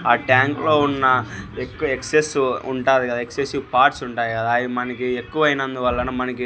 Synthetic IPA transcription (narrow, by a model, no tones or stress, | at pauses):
aːʈjaːŋklo̞ːunːɐekːuɐeksesuɳʈaːd̪ikɐd̪aeksesiʋpaːɾʈsuɳʈaːjikɐd̪aːjimɐnɐkiekːuʋɐjinɐnd̪uʋɐɭːɐnumɐnɐki